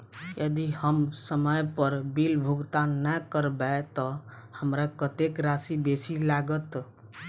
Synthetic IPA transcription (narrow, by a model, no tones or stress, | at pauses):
jəd̪ihəmsəməjpəɾbilbʱuɡt̪anəkəɾbɛt̪ɔ | həmɾakət̪ekɾasibesilaɡət̪